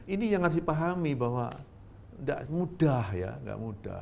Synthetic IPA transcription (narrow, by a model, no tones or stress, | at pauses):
inijaŋasipaɦamibawa̰ | nda̰ʔmudahja̰ŋɡa̰ʔmud̥a̰